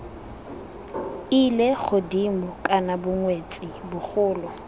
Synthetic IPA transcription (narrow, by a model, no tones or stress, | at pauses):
ilek͡xʰʊdimʊkʼanabʊŋwet͡sʼɪbʊk͡xʊːlɔ